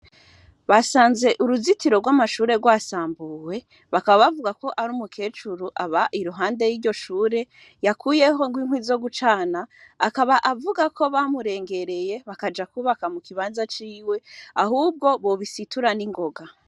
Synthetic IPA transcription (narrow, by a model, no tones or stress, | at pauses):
βasaːnze̞ʔuɾuzitiɾo̞ɡwaːmaʃuːɾe̞ɡwaːsaːmbuːwe̞ | βakaβaβavuɡako̞ʔaɾumukʰe̞ːt͡ʃuɾuʔaβaʔiɾuɦaːnde̞jiːɾɟo̞ʃuːɾe̞ | jakʰuːje̞ɦo̞ŋɡwiːŋ̥wizo̞ɡut͡ʃaːnaːkaβaʔavuɡakʰo̞βamuɾe̞ːŋɡe̞ɾe̞je̞βakad͡ʒakuːβakamukiβaːnzat͡ʃiːwe̞ahuːb̚ɡo̞βo̞βisituɾaniŋɡo̞ɡa